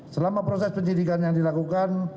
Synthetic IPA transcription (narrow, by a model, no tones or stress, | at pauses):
səlamapɾosɛspəɲdidikanjaŋdilakukan